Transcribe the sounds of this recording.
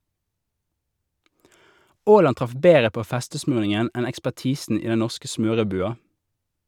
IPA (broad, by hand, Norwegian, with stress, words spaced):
ˈoːlɑn ˈtʁɑf ˈbeːʁə ˈpoː ˈfɛstəˌsmʉːʁnɪŋən ˈɛn ɛkspæʁˈtiːsn̩ ˈiː ˈdɛn ˈnɔʁskə ˈsmøːʁəˌbʉːɑ